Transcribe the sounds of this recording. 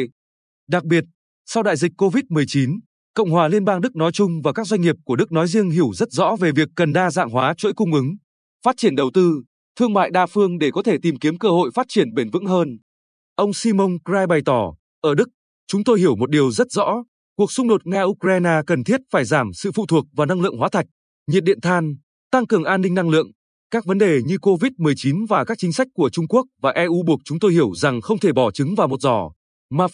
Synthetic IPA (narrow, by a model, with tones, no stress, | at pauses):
ɗa˨˩k̚ɓi˨˩ət̚ | sa˧wɗa̰ː˧˨jzi˨˩k̟̚ʲkːo˧vi˦˥t̚mɨ˨˩əjt͡ɕi˨˦n | kə̰˧˨wŋ͡mhwaː˨˩li˧ənɓaː˧ŋɗɨ˦˥k̚nɔ˨˦jt͡ɕʊ˧ŋ͡mvaː˨˩kaː˦˥k̚zwa˧jŋ̟ŋi˨˩əp̚ku˧˩əɗɨ˦˥k̚nɔ˨˦jzi˧əŋɦi˧˩əwzə˦˥t̚zɔ̰˧˥ve˨˩vi˨˩əkːə˨˩nɗaː˧za̰ː˧˨ŋɦwaː˨˦t͡ɕo̰˧˥jkʊ˧ŋ͡mʔɨ˨˦ŋ | faː˦˥t̚t͡ɕi˧˩ənɗə˨˩wt̪ɨ˧ | t̪ʰɨ˧əŋma̰ː˧˨jɗaː˧˩fɨ˧əŋɗe˧˩kɔ˨˦t̪ʰe˧˩t̪i˨˩mki˨˦əmkəː˧ho̰˧˨jfaː˦˥t̚t͡ɕi˧˩ənɓe˧˩nvɨ̰˧˥ŋɦəː˧n | ʔə˧wŋ͡msi˧mo˧nkzaː˧jɓa˨˩jt̪ɔ˧˩ | ʔəː˧˩ɗɨ˦˥k̚ | t͡ɕʊ˨˦ŋ͡mt̪o˧jhi˧˩əwmo˨˩t̚ɗi˨˩əwzə˦˥t̚zɔ̰˧˥ | ku˨˩ək̚sʊ˧ŋ͡mɗo˨˩t̚ŋaː˧ʔu˧kɾaː˧jnaː˧kə˨˩nt̪ʰi˦˥ət̚faː˧˩jzaː˧˩msɨ̰˧˨fṵ˧˨t̪ʰu˨˩ək̚vaː˨˩na˧ŋlɨ̰˧˨əŋɦwaː˨˦t̪ʰa˨˩jk̟̚ | ɲi˨˩t̚ɗḭ˧˨ənt̪ʰaː˧n | t̪a˧ŋkɨ˨˩əŋʔaː˧nːï˧ŋna˧ŋlɨ̰˧˨əŋ | kaː˦˥k̚və˨˦nɗe˨˩ɲɨ˧ko˧vi˦˥t̚mɨ˨˩əjt͡ɕi˨˦nvaː˨˩kaː˦˥k̚t͡ɕï˨˦ŋ̟sa˦˥jk̟̚kːu˧˩ət͡ɕʊ˧ŋ͡mku˦˥ək̚vaː˨˩ʔɛ˧ʔu˨˧ɓu˨˩ək̚t͡ɕʊ˨˦ŋ͡mt̪o˧jhi˧˩əwza˨˩ŋxə˧wŋ͡mt̪ʰe˧˩ɓɔ˧˩t͡ɕɨ˨˦ŋvaː˨˩wmo˨˩t̚zɔ˧˩ | maː˨˩